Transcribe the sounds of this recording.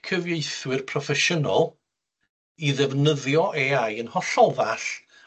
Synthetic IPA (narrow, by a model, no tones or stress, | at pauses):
kʰəvjejθwɪrpʰrɔfɛʃəna̰lˠ | iðɛvnəðjɔʔeajənhɔɬɔvaɬ